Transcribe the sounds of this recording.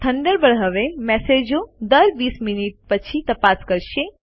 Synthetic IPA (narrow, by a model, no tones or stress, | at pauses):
t̪ʰɐ̃ɳɖəɾbəɽɦəʋemɛːseːd͡ʒod̪ɐɾbiːsminiʈ̚pət͡ʃʰit̪ɐpaːskɐɾʃe